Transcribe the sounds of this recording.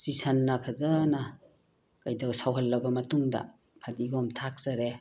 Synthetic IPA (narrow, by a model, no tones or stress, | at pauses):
sisɐnːɐpʰɐzɐnɐ | kɐjdɐwsawɦɐlːɐwbɐmɐtuŋdɐ̰ | pʰadiɡɔmtʰak̚z̥ɐɾe